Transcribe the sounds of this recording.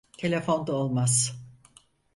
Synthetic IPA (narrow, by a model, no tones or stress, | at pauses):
t̪ʰe̞lʲefond̪aolˠmaz̥